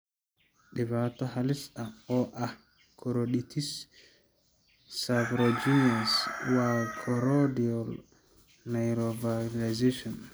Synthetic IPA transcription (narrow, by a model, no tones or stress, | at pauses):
ɗɛvataɦalisaɔʔa | kʰɔɾoɗitis | avɾod͡ʒiniaswakʰɔɾɔdiɔl | najɾɔvaɾazeʃɔn